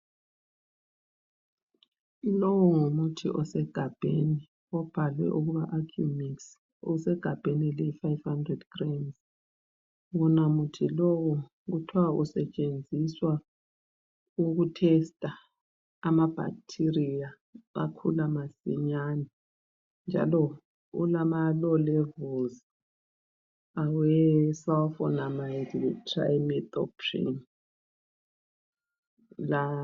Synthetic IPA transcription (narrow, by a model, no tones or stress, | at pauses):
ilɔwɔŋomutʰḭʔɔsɛɡ̥ʱab̥ʱeni | ɔb̥ʱalwɛ̰ʔuɣuɣaʔakʰjumiks | ṵsɛɡ̥ʱab̥ʱenilɛifajvhandrɛdɡ̥ramz | ɣunamutʰilɔwɔ | ɣutʰuwaṵsɛt͡ʃʼend͡zʱiswa | uɣutʰɛstʼa | amab̥ʱa̰k̚tʰirija | a̰kʰulamasḭɲanɛ | nd͡ʒʱa̰lɔ | ṵlamalɔlɛvɔlz | awɛsawθɔnamajditra̰jmit̪ɔpʰrḭn | la